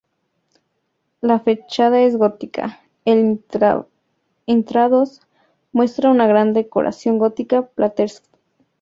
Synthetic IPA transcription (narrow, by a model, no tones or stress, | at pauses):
lafet͡ʃað̞ae̞zɣot̪ikʰa̰ | el | ent̪ɾaðos | mwest̪ɾaunaɣɾand̪eko̰ɾa̰sjo̞ŋɡot̪ikaplʔat̪eɾsk